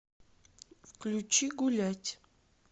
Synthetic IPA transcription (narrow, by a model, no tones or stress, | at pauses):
klʲut͡ʃiɡulʲatʲ